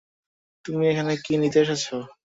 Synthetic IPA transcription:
t̪umiekʰanekinid̪eaʃ̬at͡ɕʰo

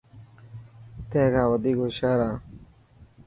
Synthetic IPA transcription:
t̪eːɡaːwɐd̪iːɡoɕaːɾãː

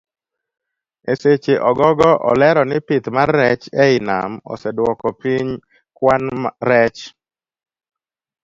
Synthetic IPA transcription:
eset͡ʃeʔɔɡɔɡɔʔɔ̰lɛɾɔnɪpɪt̪marːɛt͡ʃɛɪna̰mɔ̰sɛdwɔkɔpiɲ | kwanmɾɛt͡ʃ

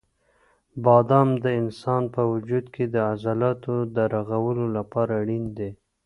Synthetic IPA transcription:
bɑd̪ɑmd̪əɪnsɑnpəwʊd͡ʒud̪kʰed̪əazalɑt̪od̪əɾaɣawəlolapɑɾaɽind̪e

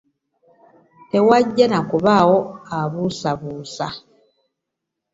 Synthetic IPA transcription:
te̞waɟːanakuβawo̞aβusaβuːsa

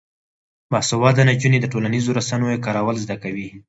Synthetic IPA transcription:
basʊwɑd̪anad͡ʒuned̪əʈolanizoɾasanojekɑɾawəlzd̪akawi

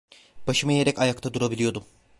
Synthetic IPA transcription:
b̥aʃɯmaje̞ɾɛcajakt̪ʰad̪uɾabilʲijo̞d̪um

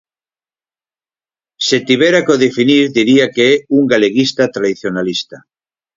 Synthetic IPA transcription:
set̪iβeɾakoðefiniɾðiɾiakeɛuŋɡaleɣist̪at̪ɾaðiθjonalist̪a

